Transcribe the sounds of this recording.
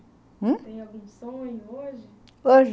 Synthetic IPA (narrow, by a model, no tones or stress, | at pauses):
t̪ẽj̃awɡũsõĩoʒɪ | oʒ